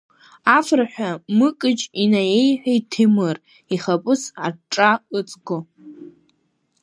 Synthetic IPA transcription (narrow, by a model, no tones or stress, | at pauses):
afraħʷᶣamɨkʼɨd͡ʒinajejħʷᶣajtʰimɨr | iχapʼɨsaʈ͡ʂʼaɨt͡sʼɡo